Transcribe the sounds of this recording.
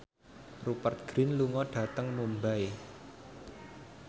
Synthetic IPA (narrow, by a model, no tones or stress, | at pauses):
rupərt̪̚ɡ̥ɾɪnluŋɔɖ̥ä̤t̪əŋmumbae